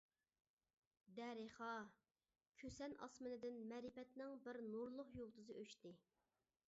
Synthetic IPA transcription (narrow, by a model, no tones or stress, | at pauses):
d̪ɛɾeχɑ | kʲʰøsɛnʔɑ̰smɨnɨd̪ɪnmɛɾɪpɛt̪nɪŋbɪɾnuɾlˠʊχjolˠt̪ʰɨzɨʔøʃt̪ɪ